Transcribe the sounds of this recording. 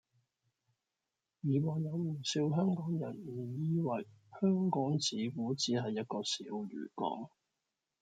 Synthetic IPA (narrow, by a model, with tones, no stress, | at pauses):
jiː˨˩wɔː˨ŋjɐ˨˧wm̩˨˩siː˧wɦœː˥ŋkɔː˨˥ŋjɐ̰˨˩nm̩˨˩jiː˧wɐ˨jhœː˥ŋkɔː˨˥ŋt͡siː˨˥kuː˨˥t͡siː˨˥ɦɐ˨jːɐ˥t̚kɔː˧sḭː˨˥wɥy̰ː˨˩kɔ̰ː˨˥ŋ